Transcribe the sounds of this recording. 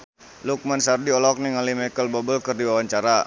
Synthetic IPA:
luk̚mansardiɔlɔk̚niŋalimajkəlbɔbəlkərdiwawaɲt͡ʃaɾa

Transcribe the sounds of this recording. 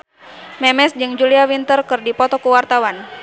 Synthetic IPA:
mɛmɛsd͡ʒɨŋd͡ʒuliawint̪ərkɨrdipɔt̪ɔkuwart̪awan

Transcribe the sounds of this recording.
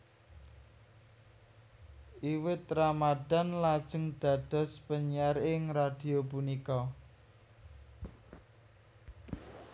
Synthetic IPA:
ʔiwɪt̪ramaɖ̥a̤nlad̥ʒ̥ə̤ŋɖ̪̥a̤d̪̥ɔ̤spəɲaɾɪŋrad̪̥i̤opunikɔ

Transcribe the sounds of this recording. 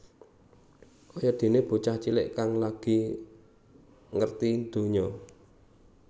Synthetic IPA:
ʔɔjɔd̪̥e̤neb̥o̤t͡ʃaht͡ʃilɪʔkaŋlaɡ̥i̤ | ŋərt̪ind̪̥o̤ɲɔ

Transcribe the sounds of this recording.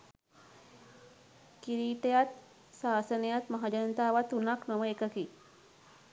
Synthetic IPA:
kiɾiʈjat̪ | saːsənjat̪mɐɦad͡ʒənt̪aʋat̪unaknəʋəekəki

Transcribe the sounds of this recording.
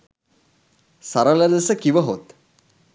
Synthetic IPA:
sɐɾələd̪əsəkiʋəɦot̪

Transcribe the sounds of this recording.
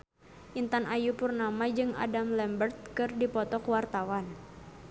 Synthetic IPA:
ʔint̪anajupurnamad͡ʒɨŋa̰damlɛmbərt̪̚kɨrdipɔt̪ɔkwart̪awan

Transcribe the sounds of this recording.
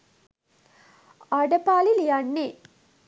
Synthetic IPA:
aɖəpaːlilijanːe

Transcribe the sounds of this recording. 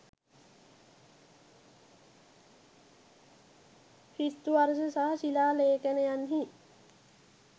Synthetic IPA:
fist̪uɐɾsesaɦɐsilaːleːkeneɐnɦi

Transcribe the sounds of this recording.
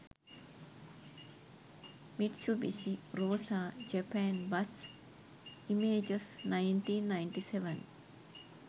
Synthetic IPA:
miʈsubisiɾoːsaːd͡ʒepɛːnbɐs | imeːd͡ʒɐsnajnʈiːnːajɳʈiseʋɐn

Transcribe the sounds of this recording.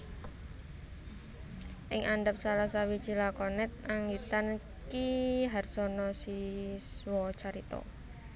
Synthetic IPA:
ʔɪŋʔaɳɖəp̚salasawi̥t͡ʃilakɔnɛt̪̚ʔaŋit̪an | kiɦarsɔnɔsiswɔt͡ʃaɾit̪ɔ̰

